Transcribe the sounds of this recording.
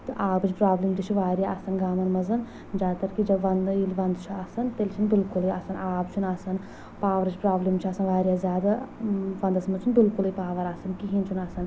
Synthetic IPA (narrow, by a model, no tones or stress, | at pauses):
t̪ɨʔaːbɨt͡ʃʰpɾaːblimd͡ʒ̪it͡ʃʰuʋaːɾijaɐsɐnɡaːmɐnmɐzɐn | d͡ʒaːd̪t̪ɐɾkid͡ʒɐbʋɐnd̪ilʲʋɐnd̪t͡ʃʰuɐsɐnt̪elt͡ʃʰinbɪlkulɐjɐ̰sɐnaːbt͡ʃʰunɐsɐn | paːʋɐɾɨt͡ʃʰpɾaːblimt͡ʃʰuɐsɐnʋaːɾijaːzʲjaːd̪aʋɐnd̪ɐsɐmɐt͡ʃʰunbɪlkulɨjpaːʋɐɾɐsɐnkiɦint͡ʃʰunɐsɐn